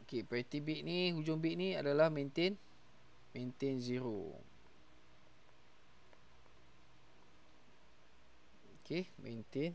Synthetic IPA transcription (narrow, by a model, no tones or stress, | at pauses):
okepɾɛt̪ibiʔniɦud͡ʒʊŋbiʔniadalahmẽnt̪ɪn | mẽnt̪ɪnziɾo̰ | okemḛ̃nt̪ɪn